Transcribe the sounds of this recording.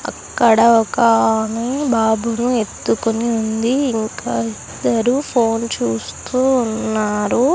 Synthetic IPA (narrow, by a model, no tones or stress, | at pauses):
ɐ̰kːɐɽɐɔkɐnebaːbʱunue̞t̪ːukoniund̪iːŋkaːi | d̪ɐɾupʰoːnt͡ʃuːst̪uːnːaːɾu